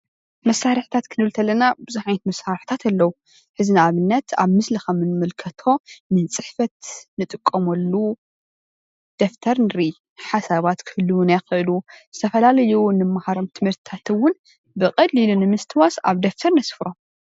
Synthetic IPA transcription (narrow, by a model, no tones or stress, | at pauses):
mɐsːaɾɨħt̪ʰat̪kʰɨnɨlt̪ʰɐlːɐnabɨzuħajnɐt̪mɐsːaɾħt̪ʰat̪ʰalːɐwu | ħɨzinaaβɨnːɐt̪ʰaβmɨslixɐmɨnmɨlkʰɐt̪ʰo̞nɨt͡sʼɨħfɐt̪nɨt̪ʼɨkʼːɐmɐlːu | d̪̥ɐft̪ʰɐɾnɨɾi | ħasaβat̪kʰɨhɨlːuwnajxɨʔluzɨt̪ʰɐfɐlalɐjunɨmːahaɾomt̪ʰɨmhɨɾt̪ʰɨ̥t̪ʰat̪ʰɨwʊn | bɨqʼɐlːilunɨmɨst̪ʰɨwasa̰βd̪ɐft̪ʰɐɾnɐsfɾo̞m